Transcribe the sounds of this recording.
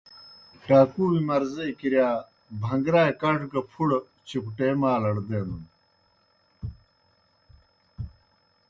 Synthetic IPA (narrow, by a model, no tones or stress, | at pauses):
ʈaːkuːwimɐɾzejkiɾjaː | bʱɐŋɡɾaːjkɐʈɡɐpʰuɽ | t͡ɕʰukʈeːmaːlɐɽd̪eːnun